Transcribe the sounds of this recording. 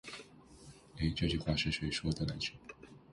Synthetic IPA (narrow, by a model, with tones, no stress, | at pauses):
e˥ɪʈ͡ʂɤ˥˧t͡ɕy˥˧˩xwa˥˩ʂɻ̩˥˩ʂwe˧˩ɪʂwɔ˥d̪ə˨na˨˧˥nt͡ɕʰɛ˥˩